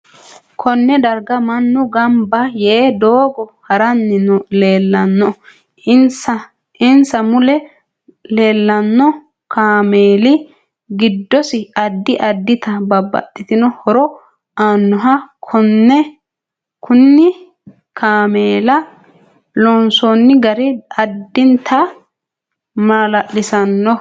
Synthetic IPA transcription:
kʰɔnːɛd̪ɐɾɡɐmɐnːʊɡɐmbɐjeːd̪oːɡɔhɐɾɐnːɪnɔleːlːɐnːɔ | sɐ | ɪnsɐmʊlɛ | le̞ːlːɐnːɔ | kaːmeːlɪ | ɡɪd̪ːɔsɪɐd̪ːɪʔɐd̪ːɪt̪ɐbɐbːɐ̰tːɪt̪ɪnɔhɔɾɔ | aːnːɔɦɐkʰɔnːɛ | kʊnːɪ | kʰaːmeːlɐ | lɔnsonːɪɡɐɾɪɐd̪ːɪnt̪ʰɐ | maːlɐʔːɪsɐnːɔ

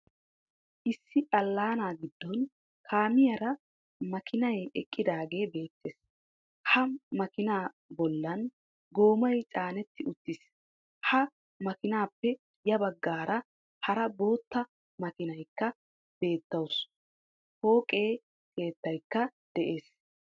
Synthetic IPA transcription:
ʔɪsːɪʔɐlːaːnaːɡɪd̪ːɔn | kʰaːmɪjɐɾɐ | mɐkʰɪnɐjɛkʼːɪd̪aːɡe̞ːbe̞ːt̪ːe̞ːs | hɐmɐkɪnaː | bɔlːɐn | ɡo̞ːmɐjt͡sʼaːnɛt̪ːɪʔʊt̪ːɪs | hɐ | mɐkɪnaːpːɛ | jɐbɐɡːaːɾɐ | hɐɾɐbo̞ːt̪ːɐ | mɐkɪnɐjkːɐ | b̥e̞ːt̪ːɐws | ho̞ːkʼe̞ː | kʰe̞ːt̪ːɐjkːɐd̪̥ɛʔe̞ːs

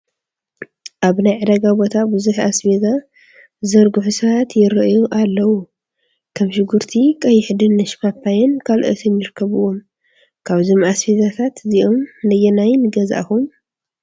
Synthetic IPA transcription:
ʔaβnajʕɨd̪ɐɡabo̞t̪ʰabɨzuħasfeza | zɐɾɡuħusɐβat̪jɪɾɐʔjuʔalːɐwu | kʰɐmʃɪɡuɾt̪ʰikʼɐjɪħd̪ɨnːɐʃkapʰːajɐnkʰalʔɨ̰t̪ʰɨnjɪɾkʰːɐβɨwom | kʰaβzomasfezat̪ʰat̪ʰɨziʔomnɐjɛnajnɨɡɐza̰ʔxum

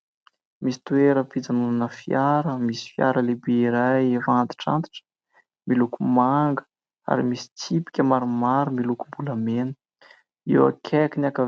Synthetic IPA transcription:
misi̥t̪ueɾəpid͡zanunanəfiaɾəmisi̥fja̰ɾəlebeiɾajvant̪i̥ʈ͡ʂa̰nt̪i̥ʈ͡ʂə̥ | milukumaŋɡə̥ | a̰ɾimisi̥t͡sipi̥kʲəmaɾumaɾumilukumbuləmenə | ḭwa̰kʰekinakəv

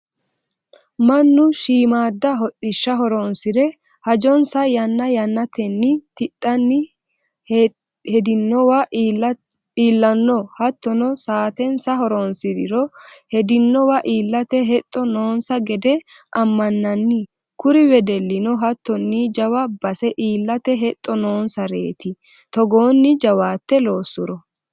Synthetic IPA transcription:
mɐnːʊʃiːmaːd̪ːɐɦɔʔɪʃːɐɦɔɾɔnsɪdɾɛ | hɐd͡ʒɔnsɐjɐnːɐjɐnːɐt̪ɛnːɪt̪ɪɗːɐnːɪ | hɛd̪ɪnːɔwɐ | iːlːɐnːɔhɐt̪ːɔnɔsaːt̪ɛnsɐɦɔɾɔnsɪd̪ɪɾɔhɛd̪ɪnːɔwɐʔiːlːɐt̪ɛɦɛt̪ʼːɔno̞ːnsɐɡɛd̪ɛ | ʔɐmːɐnːɐnːɪ | kʊɾɪwɛd̪ɛlːɪnɔɦɐt̪ːɔnːid͡ʒɐwɐbɐsɛʔiːlːɐt̪ɛɦɛt̪ʼːɔno̞ːnsɐɾe̞̰ːt̪ɪ | t̪ɔɡoːnːɪd͡ʒɐwaːt̪ːɛlo̞ːsːʊɾɔ

